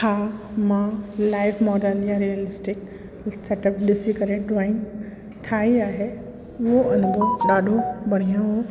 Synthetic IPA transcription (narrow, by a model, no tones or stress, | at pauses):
hʰaːmãlaːɪʋmɔːɖəljãɾiəlɪsʈɪk | seʈəp̚ɗɪsikɐɾẽɖaːɪ̃ŋ | ʈʰaːiaːɦe | ʊɦoʔɐnɡ̪oɗaːɖʱobɐɽ̤ijãɦo